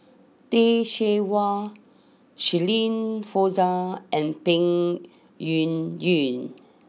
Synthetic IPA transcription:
teʃewa | ʃilĩnfozaʔɛ̃npĩŋ | junjũn

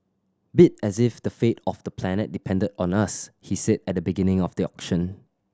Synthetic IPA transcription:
bɪt̚ɛzɪfdəfetɔfd̥əpʰlɛnət̚dipʰɛ̃ndədɔ̃nəshisɛdɛt̚dəbiɡɪ̃nɪ̃ŋɔfdiɔkʃə̃n

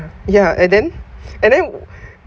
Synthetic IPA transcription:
jaɛ̃ndɛ̃nɛ̃ndɛ̃n

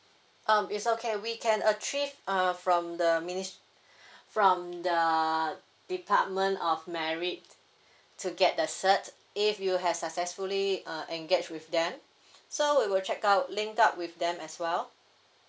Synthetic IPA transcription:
ʔʌ̃mitsokʰewikʰɛ̃nət͡ʃivʌ̃fɹɔ̃mdəminis | fɹɔ̃mdə | d̥ipʰa̰t̚mə̃ntɔfmɛɹit | tʰːuɡɛt̚dəsət | ifjuɦɛv̥sak̚sɛsfuliʌʔɛ̃ŋɡed͡ʒwifdɛ̃m | sowiwɪlt͡ʃɛkaʊtlĩŋkap̚wifdɛ̃mɛswɛl

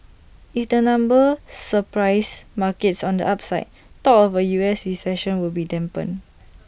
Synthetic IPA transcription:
ifdənãmbəsəpɹaɪsmakɛtsɔ̃ndə̰ʔap̚saɪt̚ | tɔkɔfəjuɛsɹisɛʃɔ̃nwilbidɛ̃mpə̰̃n

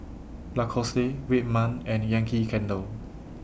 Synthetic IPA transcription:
lakʰɔsewit̚mãnɛ̃njãŋkʰikʰɛ̃ndəl

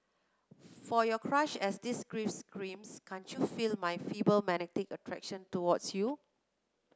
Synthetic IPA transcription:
fɔjɔkʰɹaʃɛsdisɡɹifskɹĩmskʰãntjufilmajfibəlmɛnɛtɪkətʰɹɛ̰kʃə̃ntuwɔdsju

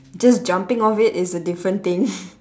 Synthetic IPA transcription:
d͡ʒasd͡ʒãmpɪ̃ŋɔfɪtɪsədɪfɹə̃nt̪ɪ̃ŋ

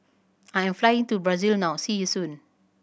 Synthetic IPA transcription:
ajɛ̃mflajĩŋtubɹazilnãwsijusũn

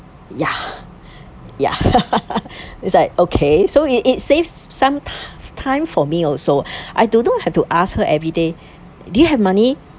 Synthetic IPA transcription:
ja | ja̰ | islaɪk̚okʰesoiitsevsːãmtʰtʰãɪ̃mfɔmiɔlsoʔaɪdunõnhɛftuʔashəʔɛvɹide | dujuɦɛvmani

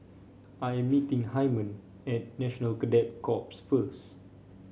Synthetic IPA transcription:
ʔajɛ̃mːitĩŋhajmə̃n | ɛt̚nɛʃɔnəlkədɛt̚kʰɔpsfəs

